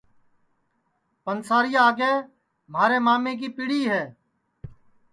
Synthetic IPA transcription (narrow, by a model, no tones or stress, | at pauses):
pənsaːɾɪjaːɡeː | m̤aːɾeːmaːmẽːk̬iːpɪɽiːɦɛː